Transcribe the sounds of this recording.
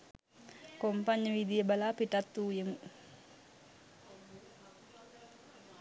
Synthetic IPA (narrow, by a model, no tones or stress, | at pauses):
kompaɲːəʋid̪ijəbalaːpiʈat̪ːuːjemu